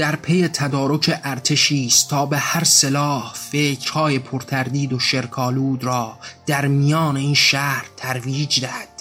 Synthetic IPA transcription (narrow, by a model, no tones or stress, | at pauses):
d̪̥æɾpʰejet̪ʰæd̪ɒːɾo̞cʰeʔæɾt̪ʰe̞ʃiːst̪t̪ʰɒːbehæɾselɒːhfecʰɾ̥hɒːje̞pʰoɾt̪ʰæɾd̪iːd̪oʃe̞ɾkʰɒːluːd̪ɾɒːd̪̥æɾmijɒːne̞iːnʃæɾt̪ʰæɾviːd͡ʒd̪æhæd̪̥